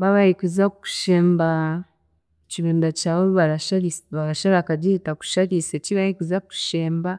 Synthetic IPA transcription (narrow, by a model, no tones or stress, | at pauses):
βaβahikuzaku̥ʃeːmba | t͡ʃiɾuːndat͡ʃaβoβalaʃaiβalaʃalakaɟitaku̥ʃaliset͡ʃiβahikizaku̥ʃeːmba